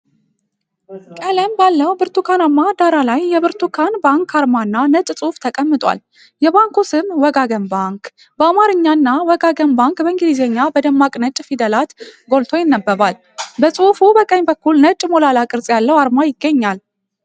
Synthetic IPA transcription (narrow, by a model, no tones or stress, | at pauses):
kʼələmbalːəwbɨɾt̪ʰukʰanamːad̪aɾalajjɛbɨɾt̪ʰukʰanbaŋkʰaɾmanːanət͡ʃʼsʼuft̪ʰəkʼəmːɨt̪ʼwa̰l | jɛbaŋkusɨmwɔɡaɡəmbaŋk | bəamaɾɨɲːanːawɔɡaɡəmbaŋkbəɨŋɡɨlizeɲːabəd̪əmːakʼnət͡ʃʼfid̪əlat̪ɡo̞lt̪ʰo̞jɪnːəbːəβal | bəsʼufubəkʼəɲːbəkːulnət͡ʃʼmo̞lalakʼɨɾsʼjalːəwaɾmajɪɡːəɲːal